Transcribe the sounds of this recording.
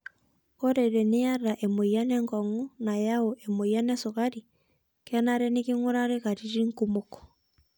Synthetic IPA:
ɔ˦ɾɛ˨ɾɛ˨nɪ˦ja˦ra˨ʔɛ˨mo˨ia˦nɛ˦ŋkɔ˨ŋu˦na˨ja˦o˨ʔɛ˨mo˨ia˦nɛ˦so˨kaɾi˨ | kɛnaɾɛ˦ni˦ki˦ŋo˦ɾaɾe˦ka˨ɾi˦ɾi˦ŋ̩kumo˦kɔ̥˨

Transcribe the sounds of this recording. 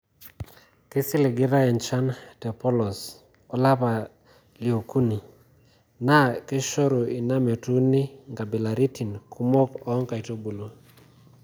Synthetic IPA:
ke˦sɪ˦lɪ˨ɡɪ˦ɾa˦ɛ˨nt͡ʃa˦ntɛ˨pɔ˦lɔ˨s | ɔ˨la˦pa˨ | li˨o˨ku˦ni˨ | na˦ke˦ʃɔ˦ɾo˨i˨na˦me˨tu˦nɪ˦ŋɡa˨be˨la˨ɾi˦ti˨nkʰu˦mɔ˦kɔ˨˦ŋka˨i˨to˦bu˨lo˦

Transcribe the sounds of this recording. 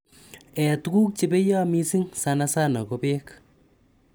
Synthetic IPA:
ɛ˨tu˦ku˦k̚t͡ʃe˦be˦jɔ˦mi˦si˦ŋsa˧na˧sa˦nɔ̰˨ko˧pe˦k

